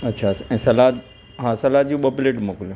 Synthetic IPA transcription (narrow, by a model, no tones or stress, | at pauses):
ɐtːɕʰaɛ̃ːsɐlat̪ | ɦãːsɐlaːt̪̚d͡ʑiũɓopleːʈmoːkɪl